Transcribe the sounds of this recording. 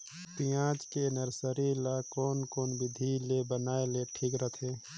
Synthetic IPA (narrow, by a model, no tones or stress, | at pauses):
pijãt͡ʃkenəɾsəɾilakoːnkoːnbɪd̪ʱilebənaːeleʈʰiːkɾət̪ʰe